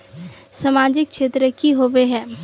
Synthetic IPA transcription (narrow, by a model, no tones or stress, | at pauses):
samaːd͡ʒɪk̚ʃʰeːt̪ɾəkiɦoʋeɦɛ̃ː